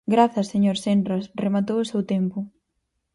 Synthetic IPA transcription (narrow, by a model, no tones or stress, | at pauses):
ɡɾaθɐseɲoɾsend̪ɾɐsremat̪̬owʊsewt̪empʊ